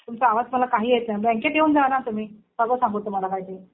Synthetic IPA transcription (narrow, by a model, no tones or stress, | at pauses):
t̪umt͡saaʋad͡zm̤əlakaɦiːɦet̪nabɛ̃ŋkeʈjeund͡zanat̪um̤iː | bəɡəsãŋɡot̪ːum̤alakaɦjt̪e